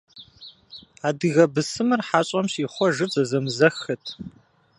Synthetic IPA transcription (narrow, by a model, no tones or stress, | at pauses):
aːdɨɣɐbɨsɨmɨrħaːɕʼɔmɕiːχʷɔʒɨzɐzɐmzɐxɨtʰ